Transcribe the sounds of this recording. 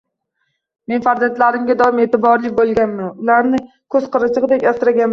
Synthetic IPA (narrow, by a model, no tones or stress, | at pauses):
me̞nfaɾzant̪laɾɪmɡʲad̪ɒɪmeːt̪ɪbɒɾlˠɪk̚ʲbolˠɡʲanmanʊlaɾnɪ | kʰɵzqɨɾɪt͡ʃʰɨʁɨd̪ekʲasɾaɡʲanm